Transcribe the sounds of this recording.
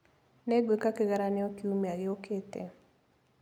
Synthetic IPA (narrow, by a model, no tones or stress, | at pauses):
nɛɡwekakeɣaɾanɛɔkiumeaɡɪoketɛ̰